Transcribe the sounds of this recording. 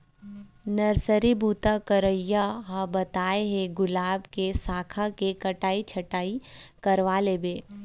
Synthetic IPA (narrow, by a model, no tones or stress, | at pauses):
nɐɾsəɾibʱuːt̪akəɾəjaɦabɐt̪aːeɦeɡʊlaːbkesaːkʰakekɐʈaːit͡ʃʰɐʈaːikɐɾʋaːleːbeː